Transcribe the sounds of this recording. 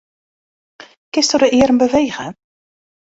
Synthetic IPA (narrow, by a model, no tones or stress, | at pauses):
kɪstədəʔɪːɾəmbəvejɣə